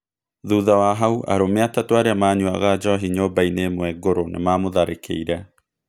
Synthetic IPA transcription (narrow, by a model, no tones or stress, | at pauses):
ðuːðawaɦauʔa̰ɾomeatatowaɾeamaːɲua̰ɣad͡ʒɔɦiɲoːbainemwɛɡoɾonḛmamoðaɾekʰḛiɾɛ